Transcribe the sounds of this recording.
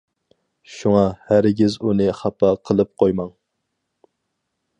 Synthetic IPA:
ʃuŋɑhæɾɪɡʲizunɨχæpʰːɑqʰəlˠɨp̚qʰojmɑŋ

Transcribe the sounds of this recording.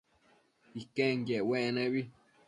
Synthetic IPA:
ikẽŋɡjeʔwẽʔnẽβi

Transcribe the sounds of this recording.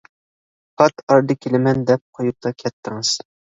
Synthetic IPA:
χɑt̪ɑɾd̪ɨkʲʰelɪmɛnd̪ɛp̚qʰojup̚t̪ʰɑkʲʰɛt̪ʰːɪŋɨz̥

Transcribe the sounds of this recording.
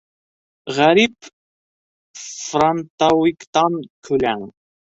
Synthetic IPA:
ʁaɾip | fɾant̪awikt̪ɑnkʰʊlæŋ

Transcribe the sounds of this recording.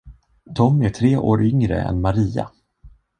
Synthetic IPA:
t̪ʰɔmæʈʰɾeːʔoːɾʔʏŋɾə̰ɛ̰nmaɾiːa̰

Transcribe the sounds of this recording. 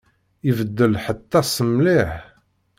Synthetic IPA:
ivəd̪ːəlħət̪ːæsəmliħ

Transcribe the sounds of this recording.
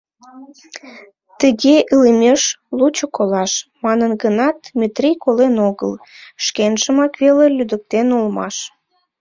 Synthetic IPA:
t̪əɣeʔilimeʃlut͡ɕokolɑʃmɑnənɡənɑt̪̚mʲet̪rijkolenoɣə̰l | ʃkenʃəmɑkβelelyd̪ək̚t̪enolmɑ̰ʃ

